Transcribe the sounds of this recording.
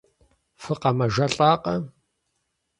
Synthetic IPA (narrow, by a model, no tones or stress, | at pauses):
fɨqɐmɐʒɐɬʼaːqʼɐ